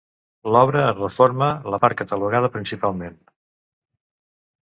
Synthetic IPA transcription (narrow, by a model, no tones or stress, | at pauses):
lɔβɾəːrəfoɾmələpaɾ̚kət̪əluɣað̞əpɾinsipalˠmen